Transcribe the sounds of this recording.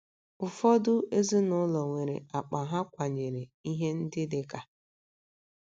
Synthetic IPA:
ʊ˨fɔ˦dʊ˦e˦zɪ˦nʊ˦lɔ˨ŋʷe˨ɾḛ˨a˨k͡pa˨ɦa˦kʷa˨ɲe˨ɾe˨i˦ɦe˦n̩˦dɪ˦dɪ˦ka˨

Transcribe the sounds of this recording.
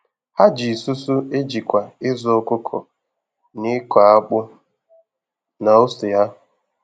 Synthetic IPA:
ha˦d͡ʒi˨su˦su˦e˦d͡ʒi˨kʷa˨ɪ˦zʊ˦ʊ˦kʊ˦kʰʊ̰˨ | nɪ˦kʷa˨a˦k͡pʊ˦ | na˨o˦sʊ˨ja˦˨

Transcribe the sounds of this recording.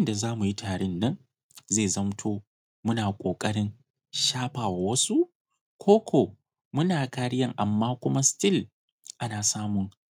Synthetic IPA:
ɪ˦nda˨zaː˦mu˨ji˦tʰaː˨ɽɪ˦nːɐ˦n | zeː˦˨zɐ˦mtʰoː˦ | mʊ˦naː˨kʷʼoː˨kʼɐ˦ɽɪ˦ŋ | ʃaː˦ɸaː˨wa˨wɐ˦su˦ | kʷʰoː˦kʷʰoː˨ | mʊ˦naː˨kaː˦ɽɪ˦jɐ˦ŋʔa˨mːaː˦kʷʊ˦ma˦stɪ˦˨l | ʔa˦naː˨saː˦mʊ˨ŋ

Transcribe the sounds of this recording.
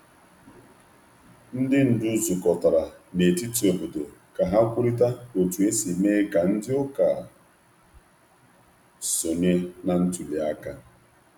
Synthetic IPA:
n̩˦dɪ˦n̩˨dʊ˦zʊ˨kɔ˨ta˨ɾa˨ne˨ti˦ti˨o˨bo˨do˨ka˨ɦa˦kʷʊ˦ɾi˦ta˦o˨tu˨e˦si˨meː˦ka˨n̩˦dɪ˦ʊ˦ka˨ | so˨ne˦na˨n̩˦tu˨li˨a˦ka˦

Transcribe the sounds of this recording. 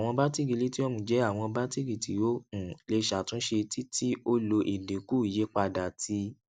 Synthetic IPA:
a˨w̃ɔ̃˧ba˦ti˦ɡi˨˧li˦ti˦ɔ˦mũ˧˨˦d͡ʒɛ˦a˦˨w̃ɔ̃˧ba˦ti˦ɡi˨ti˨jo˦ũ˨le˧ʃa˨tũ˦ʃe˧ti˦tʰi˦o˦lo˧ʔi˨de˨ku˦i˨je˨˦k͡pa˧da˨ti˧

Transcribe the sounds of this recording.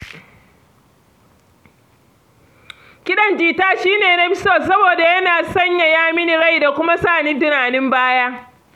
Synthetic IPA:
kʲɪ˦ɗɐ˦nd͡ʒiː˨taː˦ʃiː˦neː˨na˦bɪ˦so˦˨sɐ˦boː˨da˨jɐ˦naː˨sɐ˦ɲja˨jaː˦mɪ˦ni˨ɽa˦˨jda˨kʷʊ˦ma˦saː˦˨ni˦ntɪ˦naː˨nɪ˦mbaː˦jaː˦

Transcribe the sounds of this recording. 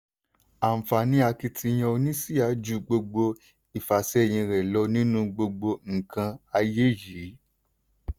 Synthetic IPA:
a˨m̩˨fa˨nĩ˧˦a˧ki˧tʰi˧j̃ã˧o˧nĩ˦si˦a˨˦d͡ʒu˨˧ɡ͡bo˧ɡ͡bo˧ | i˨fa˨sɛ˦˨j̃ĩ˧ɾɛ˨lɔ˧˦nĩ˦nũ˦ɡ͡bo˧ɡ͡bo˧ŋ̩˨kã˧a˧je˦ji˨˦

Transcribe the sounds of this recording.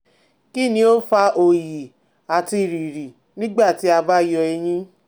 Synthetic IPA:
ki˦˨nĩ˧˦o˦fa˧˦o˨ji˨ | a˨ti˧˨ɾi˨ɾi˨ | nĩ˦ɡ͡ba˦˨ti˨˦a˧ba˦jɔ˧ɛ˧j̃ĩ˦

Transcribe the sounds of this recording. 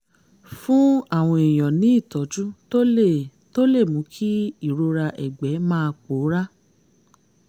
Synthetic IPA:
fũ˦a˦˨w̃ɔ̃˧i˨j̃ɔ̃˨nĩ˨˦i˦˨tɔ˨˦d͡ʒu˦to˦e˦˨to˦le˦˨mũ˨˦kʰi˦i˦˨ɾo˧ɾa˧ʔɛ̰˨ɡ͡bɛ˨˦mãː˦˧k͡po˨˦ɾa˦

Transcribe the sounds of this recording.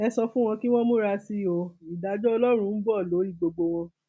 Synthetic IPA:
ɛ˧sɔ˧fũ˦w̃ɔ̃˧ki˦w̃ɔ̃˦mũ˦ɾa˧si˦o˧i˨da˨˦d͡ʒɔ˦ɔ˧lɔ˦ɾ̃ũ˧˦n̩˦bɔ˦˨lo˨˦i˦˨ɡ͡bo˧ɡ͡bo˧w̃ɔ̃˧

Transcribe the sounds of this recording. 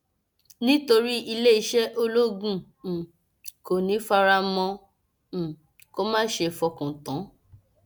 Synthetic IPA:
nĩ˦to˧ɾi˦i˧le˦i˧ʃɛ˦ʔo˧lo˦ɡũ˦˨ | ko˨nĩ˨˦fa˧ɾa˧mɔ̃˧˨ | ko˦mã˦ʃe˧fɔ˧kũ˨tã˨˦

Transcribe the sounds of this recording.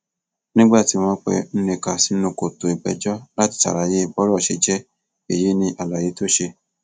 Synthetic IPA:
nĩ˦ɡ͡ba˦˨ti˨˦w̃ɔ̃˧˦k͡pɛ̰˧n̩˦nẽ˧ka˨si˦nũ˧˨ko˨to˨i˨ɡ͡bɛ̰˨d͡ʒɔ˦la˦ti̥˧ta̰˨ɾa˨je˦˨bɔ˨˦ɾɔ˦˨ʃe˧d͡ʒɛ˦ | e˨je˨˦nĩ˧ʔa˨la˨je˨˧˦to˦ʃe˧

